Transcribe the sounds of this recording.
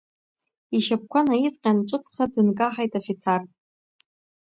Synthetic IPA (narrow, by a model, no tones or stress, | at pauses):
iʃap̚kʷʰanait͡sʼqʲʼanʈ͡ʂʷʼɨt͡sʰχadɨnkʼaħajtʼafit͡sʰar